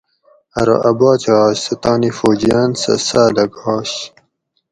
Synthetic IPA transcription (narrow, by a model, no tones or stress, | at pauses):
ɐɾo̰ʔɐbaːt͡ɕɑːɕsɐt̪aːnifoːd͡ʑijaːnsɐ̰saːd̪ɐɡɑːɕ